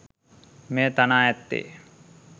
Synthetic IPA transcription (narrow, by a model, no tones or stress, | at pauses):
meːt̪anaːɛt̪ːḛː